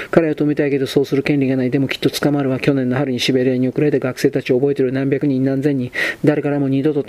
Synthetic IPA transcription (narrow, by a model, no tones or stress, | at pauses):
kaɾajot̪omit̪aike̞d̪o̞so̞ːsɨɾɯ̟kẽ̞nɾʲiɡanaid̪e̞mo̞kʲi̥t̪ːo̞t͡sɨ̥kamaɾɯ̟βakʲo̞nẽ̞nːoɦaɾɯ̟ɲ̟iɕibe̞ɾe̞ːɲ̟iokɯ̟ɾe̞t̪eɡakɯ̟̥seːt̪at͡ɕio̞ːbo̞e̞t̪eɾɯnãmbʲjakɯ̟ɲ̟ĩnnãnd͡zẽ̞ɲ̟ːĩd̪aɾekaɾamo̞ɲ̟id̪o̞t̪ot̪